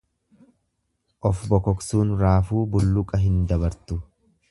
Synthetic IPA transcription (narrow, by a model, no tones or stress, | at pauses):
ʔɔfbɔkɔksuːnɾaːfuːbʊlːʊkʼɐɦɪnd̪ɐbɐɾt̪ʊ